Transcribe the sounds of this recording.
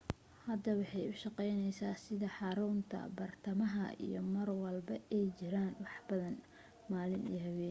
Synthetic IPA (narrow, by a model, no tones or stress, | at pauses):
hɐd̪ɐwɑħɑjʊʃɑqɛjnɛjsaːsɪðɐħɑɾunt̪ʰɐ̰bɐrt̪ʰɐmɐɦɐḭjɞ̰mɐrwɐlbɐɛjt͡ʃɪɾaːnwɑħbɐðɐn | maːlɪnḭɦɐβɛːn